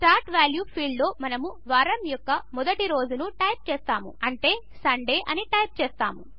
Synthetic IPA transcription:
ʈaːɾʈʋaːljuːpʰiːɖlo̞ːmɐnɐmuʋaːɾɐmjɔkːɐmɔd̪ɐʈiɾo̞ːd͡ʒunuʈɐjp̚t͡ʃeːst̪aːmṵɐɳʈe̞ː | sɐɳɖe̞ːʔɐniʈɐjp̚t͡ʃeːst̪a̰ːmu

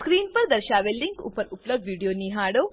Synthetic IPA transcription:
skɾiːnpɐɾd̪ɐɾʃaːʋelːiŋkṵpɐɾuplɐbɖʋiːɖijoːniːɦaːɽoː

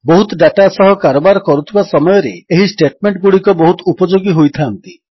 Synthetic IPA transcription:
boɦut̪ɔɖaʈasɔɦɔkaɾobaɾɔkɔɾut̪ʰibasɔmɔjɔɾeeɦisʈeʈmeɳʈ̚ɡuɽikɔbɔɦut̪ɔupɔd͡ʒoɡiɦojt̪ʰant̪i

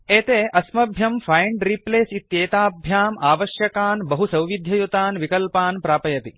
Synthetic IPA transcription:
eːt̪eːʔɐsmɐbʱjɐmfʰɐjɳɖɾipleːsit̪jeːt̪aːbʱjaːmaːʋɐʃjɐkaːnbɐɦusɐwʋid̪ʱjɐjut̪aːnʋikɐlpaːnpɾaːpɐjɐt̪i

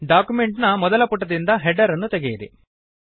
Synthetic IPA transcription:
ɖaːkumeɳʈnɐmɔd̪ɐlɐpuʈːɐd̪ind̪ɐɦeɖɐɾɐnːut̪eɡejiɾḭ

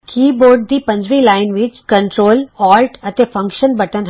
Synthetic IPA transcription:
kiːboːɾɖ̚d̪iːpɐ̃ɲd͡ʒʋilaːɪnʋɪt͡ʃkə̃ɳʈɾoːlɔːlʈɐt̪efɐ̃ŋkʃənbɐʈənɦ

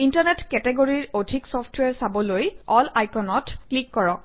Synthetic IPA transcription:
intaɹnɛtkɛtɛɡoɹiɹodʱiksɔfʰtʰwɛɹsabɔlojɔlajkɔnɔtklikːɔɹɔ

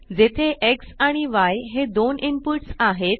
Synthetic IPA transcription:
d͡zet̪ʰeʔeksaɽ̃iʋajɦed̪onimpuɾʈsaɦet̪̚

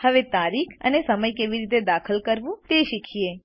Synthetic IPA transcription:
həʋet̪aɾikʰə̰nesəməjkeʋiɾit̪̬ed̪akʰəlkəɾʋũt̪eʃikʰie

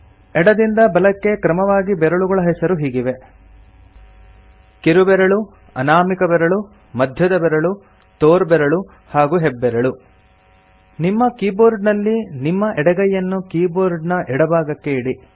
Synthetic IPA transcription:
ɛɽɐd̪ind̪ɐbɐlɐkːe̞kɾɐmɐʋaːɡibɛɾɐɭuɡɐɭɐɦɛsɐɾuɦiːɡiʋe̞ | keɾubɛɾɐɭu | ɐnaːmikɐbɛɾɐɭu | mɐd̪ʱjɐd̪ɐbɛɾɐɭu | t̪oːɾbɛɾɐɭu | haːɡuːɦɛbːɛɾɐɭu | nimːɐkiːboːɾɖnɐlːinimːɐʔɛɽɐɡɐjːɐnːukiːboːɾɖnɐʔɛɽɐbaːɡɐkːeiɽi

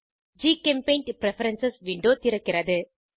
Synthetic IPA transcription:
d͡ʒiːkɛmpeɪnʈpɾɛfɐɾɐnsɐsʋɪɳɖoːt̪ɪɾɐkːɪɾɐðɯ

